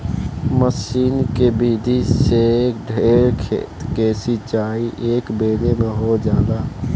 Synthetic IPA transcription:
məsiːnkebiːd̪ʱisek̚ɖʱeːɾkʰḛːt̪kesɪt͡ʃaːiʔeːkbeːlemẽɦod͡ʒaːd̪aː

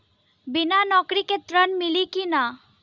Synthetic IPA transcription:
binanɔkɾiket̪ɾənmilikina

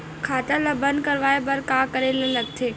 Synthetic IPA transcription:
kʰaːt̪əlabə̃nd̪̚kɐɾʋaːebɐɾkaːkəɾelalɐɡ̚t̪ʰeː

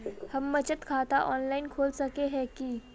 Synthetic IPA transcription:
həmːət͡ɕət̪kʰat̪aʔɔnlainkʰoːlsəkeɦɛkiː

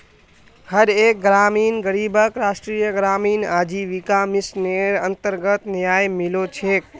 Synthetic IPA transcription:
həɾek̚ɡɾaminɡəɾibʱəkɾasʈɾijəɡɾaminad͡ʒiʋikamisneənt̪əɾɡət̪njajmilot͡ʃʰek̚

